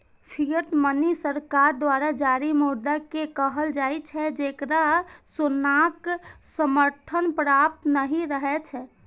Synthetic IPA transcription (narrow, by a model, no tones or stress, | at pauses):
pʰiəɾt̪mənisəɾkaɾd̪ʋaɾad͡ʒaɾimuɾd̪akekəɦəld͡ʒajt͡ʃʰɛd͡ʒekɾasunaksəməɾt̪ʰənpɾap̚t̪nəɦĩɾəɦɛt͡ʃʰɛ